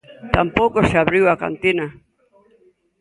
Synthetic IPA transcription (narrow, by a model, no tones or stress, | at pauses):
t̪ampowkoseaβɾiwaka̰nt̪ina